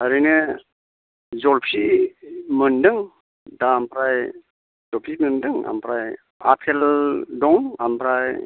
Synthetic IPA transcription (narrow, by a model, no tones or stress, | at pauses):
haɾɯjnɯ | zɔlpʰi | mɯndɯŋ | dampʰɾaj | zɔpʰiməndɯŋa̰mpʰɾaj | a̰t̚kʰeldɔŋampʰɾaj